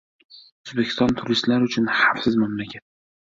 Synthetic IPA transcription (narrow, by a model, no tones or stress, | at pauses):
ʊzbekʲɪ̥st̪ɒnt̪ʰʊɾist̪laɾʊt͡ʃʰʊnhafsɪzmamlakʲʰat̪̚